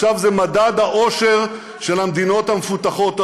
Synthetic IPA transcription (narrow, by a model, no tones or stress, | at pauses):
ʃavzemad̪ad̪haʔo̞ʃe̞ʁ | ʃe̞lamd̪ino̞t̪hamefut̪aχo̞t̪